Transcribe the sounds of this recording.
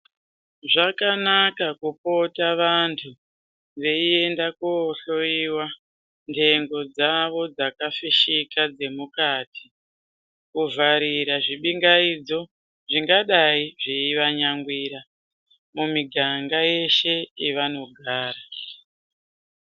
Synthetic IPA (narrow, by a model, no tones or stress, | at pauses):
ʐakanakakupo̞taʋantʰu | ʋe̞ie̞ndakuoɬo̞iwa | ndʰe̞ŋɡo̞d͡zaʋo̞d͡zakafiʃikad͡ze̞mukatʰi̥ | kuvaɾiɾaʐiɓiŋɡaid͡zo̞ | ʐiŋɡaɗaiʐeiʋaɲaŋɡwiɾa | mumiɡʱaŋɡaje̞ʃe̞iʋano̞ɡʱaːɾa